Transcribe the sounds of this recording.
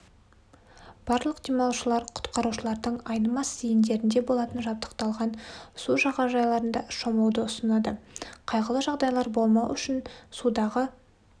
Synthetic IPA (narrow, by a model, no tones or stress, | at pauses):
b̥ɑɾlˠəqd̪̥ejmɑlˠʃəlˠɑɾqʰʊ̥t̪qɑɾuʃəlˠɑɾd̪əɴɑjnəmɑsijɪnd̪e̞ɾɪnd̪e̞bo̞lˠɑt̪ənʒɑp̚t̪ə̥qt̪ɑlˠʁɑnsuʒɑʁɑʒɑjlˠɑɾənd̪ɑʃomɑwd̪əʊsənɑd̪əqʰɑjʁəlˠəʒɑʁd̪ɑjlˠɑɾbo̞lˠmɑwʏʃɪnsud̪ɑʁə